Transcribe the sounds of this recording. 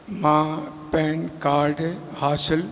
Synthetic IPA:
mãː | pɛːnkaːɾɖ | haːsɪl

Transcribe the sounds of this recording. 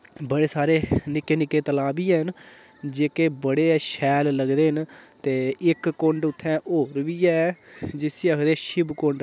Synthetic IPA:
bəɽeːsaːɾeːnɪkːeːnɪkːeːt̪əlaːbiːɛːɦən | d͡ʒeːkeːbəɽeːɛːʃɛːlləɡd̪eːɦənt̪eːɪkːõɳɖʊt̪ʰːɛ̃ːʔoːɾʋiːɛd͡ʒɪsiːəkʰd̪eːʃɪbkõɳɖ

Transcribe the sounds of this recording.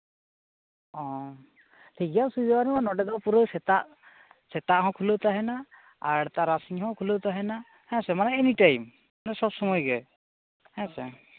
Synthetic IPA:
ɔ̃ | ʈʰikasujdɔanɛmanɔɖɛd̪ɔpuɾəwsɛt̪aʔ | sɛt̪aʔɦɔ̃kʰulowt̪aɦɛna | aɾt̪aɾasiɲɦɔ̃kʰulowt̪aɦɛna | hɛ̃sɛmanɛːniʈajm | manɛsɔbsɔmɔjɡɛj | hɛ̃sɛ

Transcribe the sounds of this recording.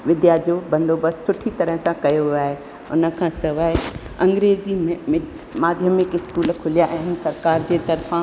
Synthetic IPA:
ʋɪd̪jaːd͡ʑobɐ̃nd̪oːbəssʊʈʰit̪ɐɾəɦəsãkɐjoɦʊaːɦe | ʊnə̆kʰãːsɐʋaɦeɐ̃ŋɡɾeːzimẽm | maːd̪ʱjəmɪkɪskuːlkʰʊlijaʔɐɦɪnsɐɾkaːɾd͡ʑeːt̪ɐɾfã

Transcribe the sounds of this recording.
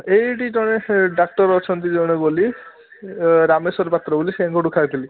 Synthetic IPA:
ejʈid͡ʒɔɽ̃eɖak̚ʈɔɾɔt͡ʃʰɔnt̪id͡ʒɔ̃eboli | ɾamesɔɾpat̪ːɾɔboliseãŋkɔɖukʰajt̪ʰili

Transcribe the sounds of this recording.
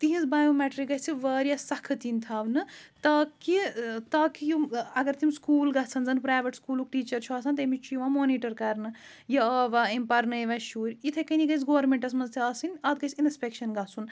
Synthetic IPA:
t̪iɦĩzbaːjoːmɛːʈɾik̚ɡɐɦt͡sʰiʋɐːɾjasɐkʰɨt̪inʲt̪ʰaːʋnɨt̪ɐːkit̪aːkijuɐɡɐɾt̪ʰimskuːlɡɐt͡sʰɐnzɐnpɾaːʋeʈskuːluk̚ʈiːt͡ʃɐɾt͡ʃʰuaːsʰɐnt̪̬ɐmit͡ʃʰijʋãmoːniːʈɐɾkɐɾnɨ | jɐɐːʋaimpɐɾnɐjʋɐ̃ʃuːɾʲit̪ʰɐkɐnʲiɡɐsɡoːʋɐɾmẽɳʈɐs̬mɐnzt̪ʰiaːsɨnʲɐt̪̚ɡɐsinspekʃɐnɡɐsʰun

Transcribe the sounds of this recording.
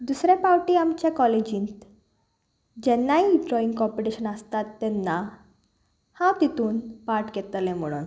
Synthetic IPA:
d̪usɾẽpawʈiamt͡ɕekɔled͡ʑĩːnt̪ | d͡ʑɛnːaiɖɾɔĩŋɡkɔpiʈiɕənəst̪at̪ːɛnːa | hãwt̪it̪uːnpaɾʈkɛt̪lẽm̤əɽ̃ṵːn

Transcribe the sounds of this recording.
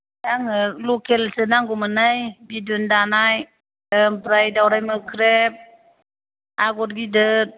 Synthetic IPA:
jaŋɯlukʰelsɯnaŋɡɔmɯnajbidundanaj | əmpʰɾajdawɾajmɯkʰɾep̚ | aɡɔt̚ɡidɯt̚

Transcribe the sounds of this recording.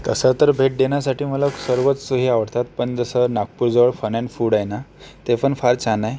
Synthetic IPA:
k̪əsət̪əɾbʱeʈ̚d̪enjasaʈiːmələksəɾʋət͡ssuɦiaʋəɾt̪at̪pəɳd͡zəsənak̚puɾd͡zəʋəɭfənãnfuɽajnat̪epənfaɾt͡ɕʰanaj

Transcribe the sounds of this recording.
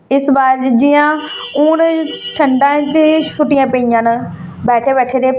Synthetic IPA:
ɪsbaːɾd͡ʒɪjãːʊnʈʰəɳɖãːt͡ʃʃʊʈɪjãːpəijãːnbɛːʈʰeːbɛːʈʰeːd̪eː

